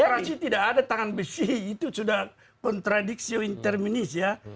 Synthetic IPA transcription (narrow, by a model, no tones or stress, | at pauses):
ɾasit̪idakadat̪aŋanbəsiit̪usudah | kɔnt̪ɾadiksioint̪ɛrminisja